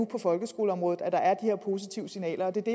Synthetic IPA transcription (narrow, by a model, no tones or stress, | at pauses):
upʰɒ̽fɒ̽lɡ̥əsɡ̥o̝ːləɒ̽mʁɔ̽ð̩ˠæd̥ɑ̈ʔæɐd̥ihe̝ɐ̰pʰo̝s̬it͡sʰiʊəsinɛ̰ːlɐɒ̽d̥e̝d̥e̝